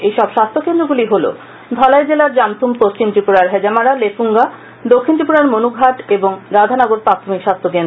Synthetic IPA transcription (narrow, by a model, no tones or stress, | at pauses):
ejʃɔbʃast̪ʰokend̪ɾoɡuliɦolo̰ | d̪ʱɔlaed͡ʑelaɾd͡ʑamt̪ʰumpost͡ɕimt̪ɾipuɾaɾɦɛd͡ʑamaɾalefuŋɡa | d̪okʰːint̪ɾipuɾaɾmonuɡʱaʈeboŋɾad̪ʱanɔɡoɾpɾat̪ʰomikʃast̪ʰokend̪